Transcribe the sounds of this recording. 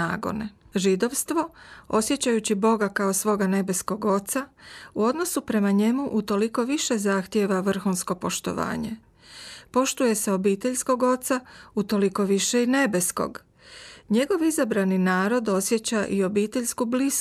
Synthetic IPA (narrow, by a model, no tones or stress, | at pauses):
aːɡo̰neʒid̪o̞ʋst̪ʋo̞o̞sje̞t͡ɕajut͡ɕibo̞ɡakaosʋo̞ɡane̞be̞sko̞ɡo̞t̪sauo̞d̪no̞supɾe̞maɲe̞muʔut̪o̞liko̞ʋiʃe̞zaxt̪je̞ʋaʋr̩xuːnsko̞po̞ʃt̪o̞̰ʋa̰ːɲe̞ | po̞ʃt̪uje̞seo̞biːt̪e̞ʎsko̞ɡo̞t̪saut̪o̞liko̞ʋiʃe̞ine̞be̞sko̞̰ɡ | ɲe̞ɡo̞ʋizabɾaninaːɾo̞d̪o̞sje̞t͡ɕaʔio̞biːt̪eʎskublis